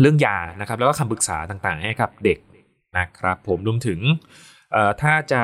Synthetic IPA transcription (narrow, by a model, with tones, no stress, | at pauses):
ɾɯ˥˩əŋjaː˧na˦˥kʰɾa˦˥plɛː˦˥kɔː˥˩kʰa˧mpɯ˨˩k̚saː˩˦t̪aː˨˩ŋt̪aː˨˩ŋha˥˩jka˨˩p̚de˨˩k̚ | na˦˥kʰɾa˦˥pʰːo˩˦mɾu˧əmt̪ʰɯ˩˦ŋ | ʔəː˨˩t̪ʰaː˥˩t͡ɕa˨˩